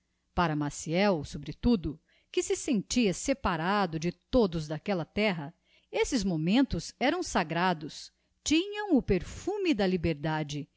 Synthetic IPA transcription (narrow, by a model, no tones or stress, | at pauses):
paɾɐmasiɛwsobɾɪt̪ud̪ʊ | kɪsɪsẽnt͡ʃiɐsepaɾad̪ʊd͡ʒɪt̪od̪ʊzd̪akɛlɐt̪ɛɦɐ | esɪzmomẽnt̪ʊzɛɾɐ̃w̃saɡɾad̪ʊs | t͡ʃĩɲɐ̃w̃ʊpeɾfũmɪd̪ɐlibeɾd̪ad͡ʒɪ